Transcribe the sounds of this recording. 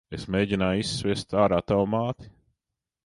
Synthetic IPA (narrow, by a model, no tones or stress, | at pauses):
esmeːɟʲinaːjisːvʲist̪aːɾaːt̪awmaːt̪i̥